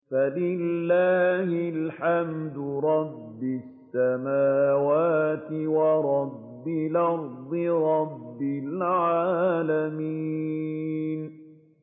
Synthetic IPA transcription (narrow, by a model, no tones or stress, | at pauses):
falɪlːaːhɪlħamd̪ʊɾˤɑbːɪsːamaːwaːt̪ɪwɑɾˤɑbːɪlɑɾˤd̪ˤɨɾˤɑbbːɪlʕaːlamiː | n